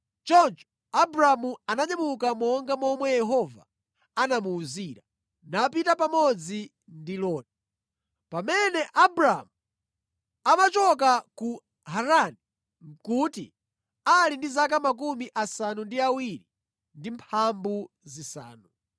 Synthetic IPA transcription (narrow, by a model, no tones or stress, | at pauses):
t͡ʃɔnt͡ʃɔ̥ | abɾamuanaɲamukamɔŋɡamɔmwɛjɛɦɔva̰ | anamuːziːɾa | napitapamɔd͡zi | ndilɔːti̥ | pamɛnɛʔabɾamu | amat͡ʃɔkaku | ɦaɾani | ŋ̩kuːtḭ | alindizak̬amak̬umiʔasanundiawiɾi | ndimpʰambu | zisa̰ːnu